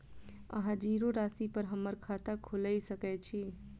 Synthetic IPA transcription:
ə̰ɦãd͡ʒiɾoɾaːsipəɾɦəməɾkʰaːt̪akʰoləisəkɛt͡ʃʰi

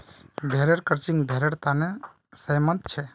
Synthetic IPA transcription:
bʱeɾeɽkəɾt͡ʃiŋɡbʱeɾeɽt̪ane | səjmənt̪t͡ʃʰɛ

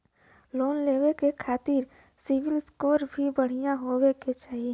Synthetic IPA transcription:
loːnleːʋekekʰaːt̪iːɾ | sɪʋɪlskoːɾbʱibəɽ̤ijãɦoːweket͡ʃaːɦie

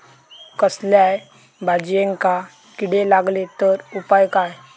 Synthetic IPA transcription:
kəsljaj | bʱad͡ʑjẽŋka | kiɽelaɡlet̪əɾupajkaj

